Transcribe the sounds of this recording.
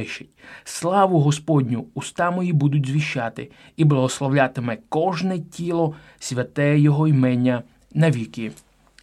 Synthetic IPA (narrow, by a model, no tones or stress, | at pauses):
ɪʃɪtʲslˠɑʋʊɦɔspɔdʲnʲʊːst̪ɑmɔjibud̪ʊtʲzʲʋʲiʃt͡ʃat̪ɪ̰ | iblˠɐɦɔslˠɔwlʲat̪ɪmɛkɔʒnɛtʲilˠɔ | sʲʋʲɐt̪ɛjɔɦɔimɛnʲːɐ | nɐʋʲikɪ